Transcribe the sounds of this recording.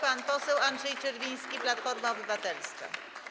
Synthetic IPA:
panpɔsɛwandʐɛjt͡ʂɛɾvʲij̃skʲiplat̪fɔɾmaɔbɘvat̪ɛlska̰

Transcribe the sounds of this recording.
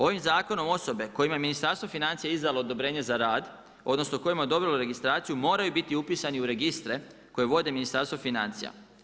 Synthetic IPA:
o̞ʋimzaːko̞no̞mo̞so̞be̞ko̞jimajeminist̪aɾst̪ʋofinant̪sijeizd̪alo̞od̪o̞bɾe̞ːɲe̞zaɾaːd̪ | o̞d̪no̞snoko̞jimaod̪o̞bɾiloɾe̞ɡist̪ɾaːt̪sijumo̞ːɾajubit̪iupiːsaniuɾe̞ɡist̪ɾe̞ | ko̞jeʋo̞d̪e̞minist̪aɾst̪ʋofinant̪sija̰

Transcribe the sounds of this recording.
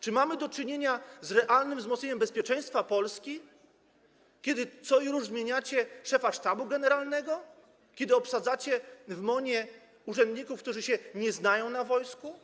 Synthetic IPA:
t͡ʂɘmamɘd̪ɔt͡ʂɘɲeɲazɾɛʔalnɘmvzmɔt̪ɲeɲɛmbɛspʲjɛt͡ʂɛ̃j̃st̪fapɔlskʲi | kʲɛd̪ɘt̪sɔɾuʐzmʲjeɲat͡ɕɛʂɛfaʂt̪abuɡɛnɛɾalnɛɡɔ | kʲɛd̪ɘɔpsad̪zat͡ɕɛvmɔɲɛ | uʐɛnd̪ɲikufkt̪uʐɘɕɛɲɛznajɔ̃w̃navɔjsku

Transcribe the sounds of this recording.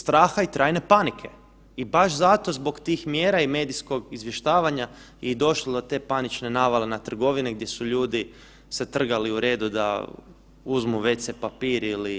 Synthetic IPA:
st̪ɾaːxait̪ɾaːjne̞panikʰe̞ | ibaʃzat̪o̞zbo̞kt̪iːxmjeːɾaime̞ːd̪isko̞ɡizʋjeʃt̪aːʋaɲa | id̪o̞ʃlod̪o̞t̪e̞ːpanit͡ʃne̞naːʋalenat̪r̩ɡo̞ʋiniɡd̪je̞suʎuːd̪i | set̪r̩ɡaliuɾe̞ːd̪ud̪a̰ | uzmuʋe̞t̪sepapiːɾili

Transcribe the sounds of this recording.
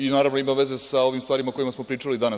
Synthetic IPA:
inaːɾavʋnoimaʋe̞ze̞sao̞ʋimst̪ʋaːɾimakojimasmo̞pɾiːʈ͡ʂalid̪ana

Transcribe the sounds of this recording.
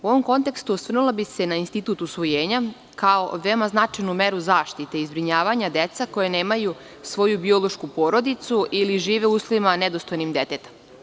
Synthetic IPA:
uo̞ʋomko̞nt̪e̞kst̪uosr̩nulˠabise̞nainst̪it̪ut̪usʋojeːɲa | kaoʋeomaznat͡ʂajnumeɾuzaːʃt̪it̪e̞izbɾiɲaːʋaɲad̪et̪sako̞jene̞ːmaju | sʋo̞jubio̞lˠoʃkupo̞ːɾo̞d̪it̪suʔiliʒiːʋeuslimaned̪ost̪ojnimd̪et̪et̪ḁ

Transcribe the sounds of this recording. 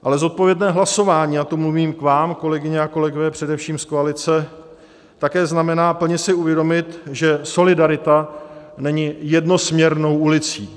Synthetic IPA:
ʔalɛzo̞t̪̚po̞vjɛdnɛːɦlaso̞vaːɲiːat̪omluviːmkvaːmko̞lɛɡɪɲɛako̞lɛɡovɛːpr̝̥ɛdɛfʃiːmsko̞alɪt͡sɛ | t̪akɛːznamɛnaːpl̩ɲɛsɪuvjɛdo̞mɪt̪ʒɛso̞lɪdaɾɪt̪anɛɲɪjɛdno̞smɲɛɾno̞wʔulɪt͡sḭː

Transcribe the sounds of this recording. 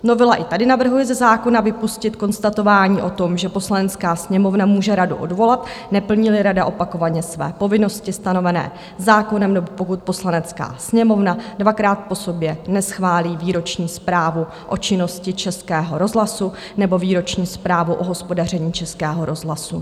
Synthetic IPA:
no̞vɪlaʔɪt̪adɪnavr̩ɦujɛzɛzaːko̞navɪpuscɪt̪ko̞nst̪at̪o̞vaːɲiːʔo̞t̪o̞mʒɛpo̞slanɛt͡skaːsɲɛmo̞vnamuːʒɛɾadṵʔo̞̰dvo̞lat̪nɛpl̩ɲɪlɪɾadaʔo̞pako̞vaɲɛsvɛ̰ːpo̞vɪno̞scɪst̪ano̞vɛnɛ̰ː | zaːko̞nɛmnobopo̞kut̪̚po̞slanɛt͡ska̰ːsɲɛmo̞vnadvakɾaːt̪̚po̞so̞bjɛnɛsxvaːliːviːɾo̞t͡ʃɲiːspɾaːvu | ʔo̞t͡ʃɪno̞scɪt͡ʃɛskɛːɦo̞ɾo̞zɦlasu | nɛbo̞viːɾo̞t͡ʃɲiːspɾaːvuʔo̞ɦo̞spo̞dar̝ɛɲiːt͡ʃɛskɛːɦo̞ɾo̞zɦlasu

